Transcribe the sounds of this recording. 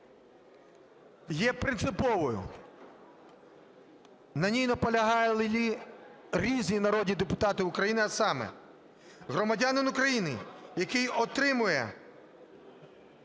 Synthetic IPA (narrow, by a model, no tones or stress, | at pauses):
jɛpɾɪnt̪sɪpɔʋɔjʊ̰ | nɐnʲijnɔpɔlʲɐɦɑjɛlˠɪlʲi | ɾʲizʲnʲinɐɾɔd̪ʲnʲid̪epʊt̪ɑt̪ɪʊkɾɐjinɪɐsɑmɛ̰ | ɦɾɔmɐdʲɑnɪnʊkɾɐjinɪjɐkɪjɔt̪ɾɪmʊjɛ̰